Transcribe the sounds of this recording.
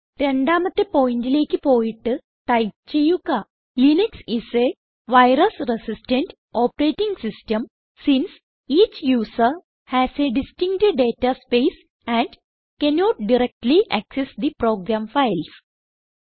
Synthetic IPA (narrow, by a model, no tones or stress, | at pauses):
ɾeɳɖaːmɐt̪ːepoːiɳʈileːkipoːiʈ | ʈajt͡ʃijuka | lineksise | ʋaɪɾəsɾesisʈẽɳʈ | ɔːpɾeʈĩŋɡsisʈəm | sĩns | iːt͡ʃjuːsəɾ | hæzeɖisʈĩŋɡʈeɖɖeːtaspes | æ̃ɳɖ | kɛnɔːʈ̚ɖiɾek̚ʈliʔæksesd̪ipɾoːɡɾãmfaɪls